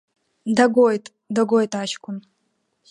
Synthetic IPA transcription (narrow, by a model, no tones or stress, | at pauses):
daɡojtʼ | daɡojtʼaʃkʷʰʊn